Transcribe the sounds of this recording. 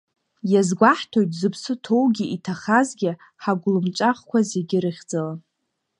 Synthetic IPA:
jazɡʷaħtʰo̞jtʼzɨpʰsɨtʰowɡʲiʔitʰaχazɡʲɪ | ħaɡʷʊlɨmt͡ʃʷʼaχkʷʰazeɡʲɪɾɨχʲd͡zala

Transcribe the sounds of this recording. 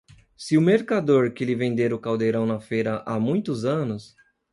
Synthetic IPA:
sɪʊmeɾkad̪oɾkɪlɪvẽnd̪eɾʊkawd̪eɾɐ̃w̃nɐfejɾɐʔamũj̃t̪ʊzɐ̃nʊs

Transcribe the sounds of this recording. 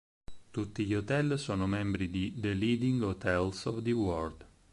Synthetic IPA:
t̪ut̪ːiʎiot̪ɛlsɔːnomɛmbɾid̪id̪əliːd̪iŋɡot̪ɛlsɔvd̪əwɔrd̪

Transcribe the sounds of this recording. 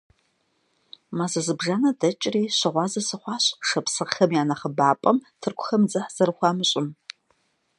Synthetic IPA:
maːzɐzɨbʐanɐdɐt͡ʃʼriːɕɐʁʷɑːzɐsɨχʷɑːɕʼʂɐpsɨʁxɐmjaːnɐχəbaːpʼɐmtʰɨrkʷʰʊ̥xɐmd͡zɨħz̥ɐrχʷɑːmɨɕʼɪm

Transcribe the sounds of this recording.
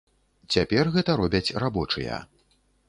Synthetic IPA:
t͡sʲapʲɛrɣɛt̪ɐɾɔbʲɐt͡sʲrabɔt͡ʂɨ̰jɐ̰

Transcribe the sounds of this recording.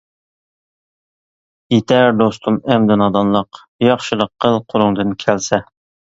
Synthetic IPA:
jet̪ʰæɾd̪ost̪ʰumɛmd̪ɪnɑd̪ɑnlˠəq | jɑχʃɨlˠəqʰːəlˠqʰʊɾʊŋd̪ɨnkʲʰælsɛ

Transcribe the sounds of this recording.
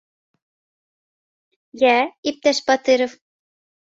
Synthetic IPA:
jæip̚t̪æʃpɑt̪ɨɾɤ̆f

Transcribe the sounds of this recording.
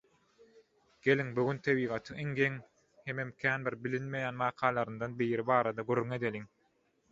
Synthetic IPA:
ɡ̥e̞liŋbuɡynt̪ʰeβiːʁɑt̪ʰɯiŋɡeŋ | hememkʲʰæːnbiɾbilinme̞jæːnmɑːqʰɑːlˠɑɾɯnd̪ɑnbijɾibɑːɾɑd̪ɑɡøɾːyŋe̞d̪eliŋ

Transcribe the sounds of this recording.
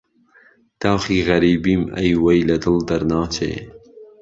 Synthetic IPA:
d̪̥awxiːɣɐɾiːbiːmɐ̰jwɐjlɐd̪ɨld̪ɐɾnɑːt͡ʃʰḛː

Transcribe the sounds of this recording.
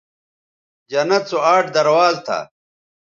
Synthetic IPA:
d͡ʑɐnɐt͡soaːʈd̪ɐɾwaːlt̪ʰa̰

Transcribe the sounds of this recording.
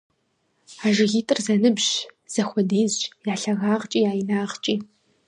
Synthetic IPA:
aːʒɪɣiːtʼɨrzɐnɨbʑz̥ɐxʷɔdiːzʑjaːɬɐɣaːʁt͡ʃʼiːjaːjɪnaːʁt͡ʃʼiː

